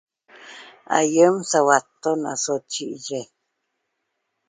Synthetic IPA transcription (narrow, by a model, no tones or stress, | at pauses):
a̰jəmsawat̪ːona̰sot͡ʃiʔje